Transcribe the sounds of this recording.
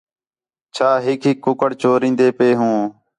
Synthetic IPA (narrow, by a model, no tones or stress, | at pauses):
t͡ʃʰaːɦɪkʰɦɪkːʊkəɽt͡ʃoːɾĩːnd̪eːpeːɦũː